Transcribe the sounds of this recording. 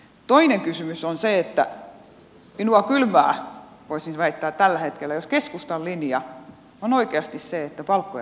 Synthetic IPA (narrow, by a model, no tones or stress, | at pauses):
t̪oineŋkysymysonseet̪ːæ̰ | minuɑkylmæː | ʋoisinʋæit̪ːæːt̪t̪ælːæhet̪kelːæjoskeskust̪ɑllinjɑ | onoikeɑst̪isseet̪ːæpɑlkːoj